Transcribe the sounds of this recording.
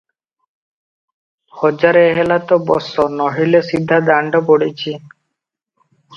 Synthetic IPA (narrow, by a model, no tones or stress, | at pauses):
hɔd͡ʑaɾeeɦelat̪ɔobɔ̰sɔnɔɦilesid̪ʱːad̪aɳɖɔpoɽit͡ɕʰi